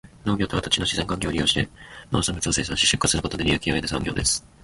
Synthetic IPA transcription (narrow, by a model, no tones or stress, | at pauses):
no̞ːɡʲo̞ːt̪o̞βat̪ḁt͡ɕinoɕizeŋkãŋkʲoːɾʲijo̞ːɕi̥t̪e̞no̰ːsãmit͡sɨose̞ːsãɕi̥ɕɨ̥kːasɨɾɯ̟ko̞t̪od̪ʲijakʲiaet̪esã̰ŋɡʲjo̞ːd̪esɨ̥